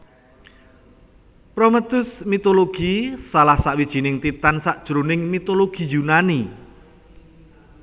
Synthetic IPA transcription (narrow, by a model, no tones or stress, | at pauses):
pɾomət̪ʊsmit̪oloɡ̥isalahsaʔwid̥ʒ̥i̤nɪŋt̪it̪ansaʔd̥ʒ̥ɾunɪŋmit̪oloɡ̥i̤junani